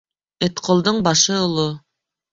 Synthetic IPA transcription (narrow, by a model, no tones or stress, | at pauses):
ĕt̪qŏlˠd̪ɤɴbɑʃɤolˠo